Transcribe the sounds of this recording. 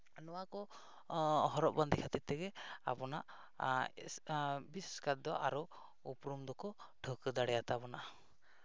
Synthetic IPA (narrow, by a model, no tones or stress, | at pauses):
nɔwakɔ | ɦɔɾɔʔ̚band̪ikʰat̪it̪ɛɡɛa̰pɔna̰ʔ | bisskat̪̚d̪ɔʔaɾɔ | upɾumd̪ɔkɔ | ʈʰəkɯd̪aɽɛjat̪abɔnaʔ